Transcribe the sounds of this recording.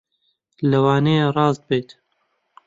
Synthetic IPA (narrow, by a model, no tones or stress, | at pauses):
lɐwɑːneːrɑːzd̪̚beːt̪